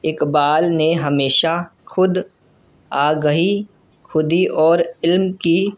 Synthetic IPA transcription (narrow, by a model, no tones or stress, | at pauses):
ɪkbaːlneɦɐmeːʃaxʊd̪ | aːɡəɦi | xʰʊd̪iʔɔːɾɪlmki